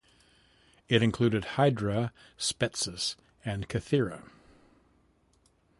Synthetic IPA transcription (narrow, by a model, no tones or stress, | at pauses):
ɪɾɨ̃nkʰl̥ʉɾɨd̚haɪdɹə | spɛtsɨs | ɨ̃nkʰɨθɪɹɨ̰